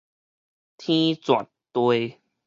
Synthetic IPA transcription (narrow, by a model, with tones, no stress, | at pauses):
t̪ʰĩ˦t͡swa̰˨˩t̚t̪we˧j